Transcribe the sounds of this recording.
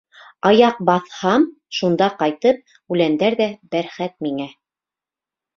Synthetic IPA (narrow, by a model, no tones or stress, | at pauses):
ɑjɑq̚bɑθhɑm | ʃund̪ɑqɑjt̪ɤp̚ | ʉlænd̪æɾðæbæɾχæt̪̚miŋæ